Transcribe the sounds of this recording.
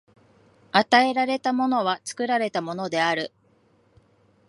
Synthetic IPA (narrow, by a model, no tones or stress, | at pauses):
at̪ae̞ɾaɾe̞t̪amo̞no̞β̞at͡sɨ̥kɯ̟ɾaɾe̞t̪amo̞no̞d̪e̞aɾɯ̟